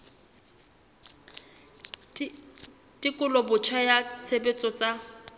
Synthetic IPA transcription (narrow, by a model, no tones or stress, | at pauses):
tʼɪkʼʊlɔbʊt͡ʃʰajat͡sʰebet͡sʼɔt͡sa